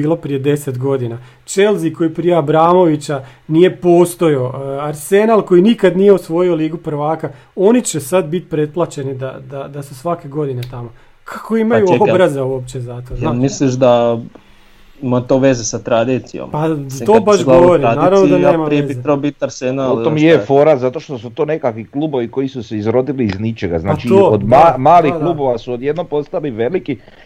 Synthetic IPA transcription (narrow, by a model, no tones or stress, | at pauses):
iːlˠo̞pɾije̞d̪e̞set̪ɡo̞d̪ina | t͡ʃelziko̞jipɾije̞abɾaːmo̞ʋit͡ɕanije̞po̞ːst̪o̞jo̞aɾse̞naːlˠko̞jinikad̪nije̞usʋo̞jio̞liːɡupɾ̩ʋaːka | o̞nit͡ɕesad̪bit̪pɾe̞t̪̚plˠat͡ɕe̞nid̪a̰d̪ad̪asusʋake̞ɡo̞d̪ine̞t̪amo̞ | kʰḁko̞imajuobɾazeuopt͡ɕe̞zat̪oznamisliʃ̬d̪a | imat̪o̞ʋe̞zesat̪ɾad̪it̪sijo̰mpat̪obaʃɡlaʋoɾiadnaiːɾaʋnoid̪aneːmaɾieebieɾobit̪naɾseɡnalot̪omjefoɾazat̪oʃt̪osut̪oːnekakʋikluːboʋiko̞isuseizɾo̞d̪iliːznit͡ʃeɡaznaːt͡ʃiood̪mamaːliklˠuːboʋasuod̪jed̪nompo̞st̪aliʋeliki